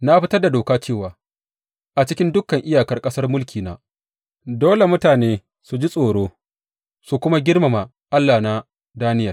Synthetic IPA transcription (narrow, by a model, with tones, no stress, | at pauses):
na˦ɸɪ˦tɐ˦rda˨doː˨kaː˦t͡ʃeː˦˨waː˨ | ʔa˨t͡ʃɪ˦kʲɪ˦ndʊ˦kːɐ˨ŋʔɪ˦jaː˨kɐ˦rkʼɐ˦sɐ˦rmʊ˦lkʲiː˨na˦ | doː˦le˨mʊ˦taː˨neː˦ | su˨d͡ʒi˦sʼoː˨ɽoː˦ | su˨kʷʊ˦ma˦ɡʲɪ˦rma˨ma˨ | ʔa˦lːa˨na˦ | daː˦nɪ˦jɐ˨r